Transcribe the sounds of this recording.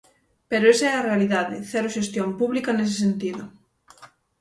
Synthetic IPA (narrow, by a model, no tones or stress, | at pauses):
peɾʊesaɛɐrealiðaðɪ̰θɛɾoʃest̪jompuβlikɐnes̬ɪ̥sent̪iðʊ